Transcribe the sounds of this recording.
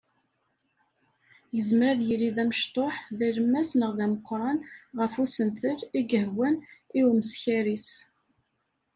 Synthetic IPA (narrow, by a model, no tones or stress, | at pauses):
jəzəmɾæðjiliðæməʃt̪ˤoħðiɾmːæsnəʁðæməqːɾˤɑnʁəfusənθəliɡəɦwəniwməsçæɾis